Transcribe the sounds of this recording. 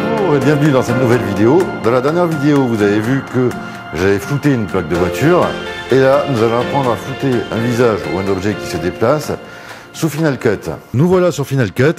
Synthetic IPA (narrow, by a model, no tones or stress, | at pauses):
ʁebjɛ̃vnyd̪ɑ̃sɛt̪nuvɛlvid̪eod̪ɑ̃lad̪ɛʁnjɛʁvid̪eovuzavevykə | ʒavɛfut̪eynplak̚d̪əvwat̪yːʁelanuzalɔ̃apχɑ̃d̪ʁafut̪eɛ̰̃vizaʒṵɛ̃nɔbʒɛkʲi̥səd̪eplasː | ufinalkʲœt̪nuvwalasyʁfinalkœt̪